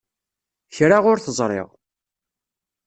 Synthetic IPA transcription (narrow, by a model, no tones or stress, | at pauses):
çɾaʁʊɾθəzˤɾˤɪ̰ʁ